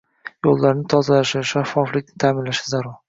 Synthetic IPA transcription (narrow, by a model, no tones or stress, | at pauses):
jolːaɾnɪt̪ʰɒzalaʃɪʃafːɒflɪkʲnɪt̪ʰaːmɪnlaʃɪzaɾʊɾ